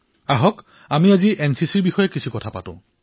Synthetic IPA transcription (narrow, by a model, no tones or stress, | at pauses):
aɦɔk | amiaziʔɛnsisiɹbixɔjɛkisʰukɔtʰapa̰tʊ̰̃